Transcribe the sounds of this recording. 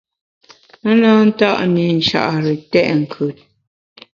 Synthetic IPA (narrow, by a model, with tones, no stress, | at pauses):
ə˦na˦n̩˦ta˦ʔni˨n̩˨ʃa̰˨ʔɾə˨tɛ˦ʔŋ̩˨kʰʉ˨t̚